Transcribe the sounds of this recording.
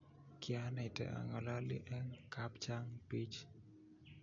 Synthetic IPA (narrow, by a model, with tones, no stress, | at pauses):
kɪa˦nɛ˨tɛ̰˨ʔa̰˨ŋa˨la˦lḭ˦ʔɛ˦ŋka˦pt͡ʃa˦ŋpi˦t͡ʃ